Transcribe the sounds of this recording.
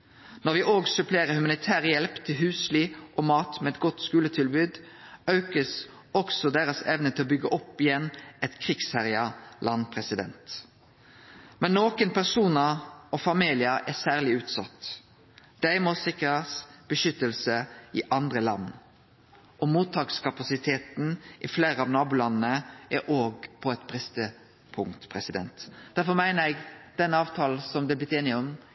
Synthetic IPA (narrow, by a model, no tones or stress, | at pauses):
nɔʁʋɪʔoːɡsʉpʰleːʁəhʉmɑnɪt̪ʰæːʁəjɛlpt̪ʰɪlɦʉːsliːʔɔmɑːt̪mɛɛt̪̚ɡɔt̪skʉːlət̪ʰɪlbʉːd̪ | œʉkəs | ɔksɔd̪eːʁəsɛ̰ʋnət̪ʰɪlɔbʏɡːəʔɔpːɪjɛnːɛt̪kʰʁɪɡshæʁɪɑlʔɑnpʰʁɛsɪd̪ɛ̰nt̪ | mɛnːoːkənpʰæʁsuːnɑɔfɑmiːlɪəɛsæːʁlɪʉːt̪sɑt̪ | d̪̥æɪmɔsɪkəɾɑsb̥əʃʏt̪ːəlsəɪʔɑnd̪ʁəlɑ̰nː | ʔɔmuːt̪ʰːɑːkskʰɑpɑsɪt̪ʰeːt̪n̩ʔɪfleːɾəɑːʋnɑːbulɑnːnəʔɛʔoːɡpʰɔɛt̪bʁɪst̪ə | pʰʊŋt̪pʰʁɛsɪd̪ɛ̰nt̪d̪̥æɾfɔmæɪnəɾɛɡd̪̥ɛnːəɑːʋt̪ʰɑːl̩sɔmd̪ɛblɪt̪eːnɪɔm